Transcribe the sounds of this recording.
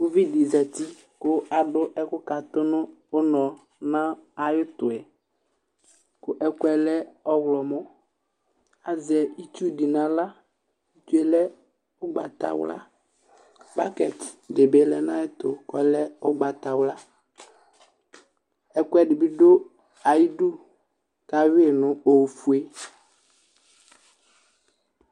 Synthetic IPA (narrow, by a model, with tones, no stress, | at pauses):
o˦vi˦di˨zɛ˨t̪i˦ | kʊ˦a˨ɖʊ˦ʔɛ˦kʊ˦ka˨t̪ʊ˦nʊ̃˦ʊ˦nɔ̃˨ | nã˦a˨jɪ˦t̪ʊ˨ɛ˨ | kʊ˦ʔɛ˦kʊ˦ɛ˨lɛ˦ɔ˦ɣlɔ˨mʊ˦ | a˨zɛ˨i˦t̪u˦di˨nã˨˦la˦ | i˦t̪u˦e˨lɛ˦ | ʊ˦ɡ͡ba˨t̪a̰˨wʊ̰˦la̰˦ | ba˦kɛ˨tdɪ˨be˦lɛ˦nã˦ɛ˦t̪ʊ˨kɔ˨˦lɛ˦ʊ˦ɡ͡ba˨t̪a˨wla˦ | ɛ˨kʷɛ˦ɖɪ˨bi˦do˦ | a˨ji˦du˦ | ka˦wi˦e˨nʊ̃˦o˨fu˨e˦